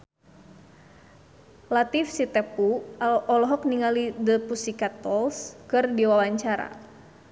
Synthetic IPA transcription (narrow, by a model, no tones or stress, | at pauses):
lat̪ifsit̪ɛpuɔlɔɦɔkniŋalidəpusikat̪ɔlskɨrdiwawaɲt͡ʃaɾa̰